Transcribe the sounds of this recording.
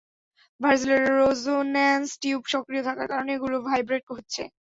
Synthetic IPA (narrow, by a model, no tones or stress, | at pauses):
bʱaɾd͡ʑileɾːod͡ʑonɛnsʈiubʃɔkɾijot̪ʰakaɾkaɾoneɡulubʱajbɾeʈ̚koɦotːɕʰḛ